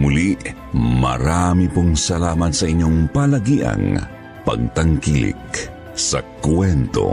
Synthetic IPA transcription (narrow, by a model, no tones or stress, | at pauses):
mʊliʔ | ma̰ɾamipʊŋsalamat̪saʔiɲːoŋpalaɡiʔa̰ŋ | pɐ̰ɡ̚t̪aŋkilḭk | sakwɛnt̪o̰